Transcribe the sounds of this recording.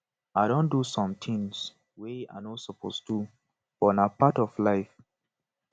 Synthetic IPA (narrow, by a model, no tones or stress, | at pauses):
aɪɾõndusɔ̃mt̪ʰĩŋs | wea̰ɪnɔsɔpʰo̰stu | fɔnapatɔvlaɪf